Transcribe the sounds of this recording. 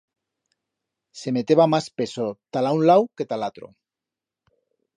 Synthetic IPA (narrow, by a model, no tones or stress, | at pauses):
se̞met̪eβamaspesot̪alaunlawket̪alat̪ɾo̰